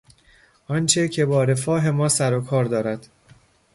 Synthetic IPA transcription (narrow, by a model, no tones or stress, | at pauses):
ʔɒnt͡ʃʰecʰe̞bɒːɾe̞fɒːɦe̞mɒːsæɾokʰɒːɾd̪ɒːɾæd̪̥